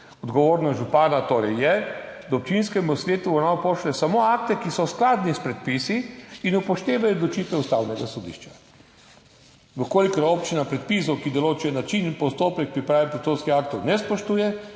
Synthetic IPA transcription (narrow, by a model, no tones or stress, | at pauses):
ɔd̪ɡɔʋoːɾnaʒupaːnat̪oːɾɛjːɛd̪aɔp̚t͡ʃinskɛmusʋʲeːt̪uɔnawpoʃlɛsamoakt̪ɛkisɔsklaːd̪nispɾɛt̪̚pisiːnupɔʃt̪eːʋajɔd̪lɔt͡ʃit̪ʋɛust̪awnɛɡasɔd̪ḭʃt͡ʃḁ | ʋəkoːlikɔɾoːpt͡ʃinapɾɛt̪̚pis̬ɔwkid̪ɔloːt͡ʃɛnat͡ʃinpɔst̪oːpɛk̚pɾipɾaːʋipɾɔt̪oːnskixak̚t̪ɔwnɛspɔʃt̪uːjɛ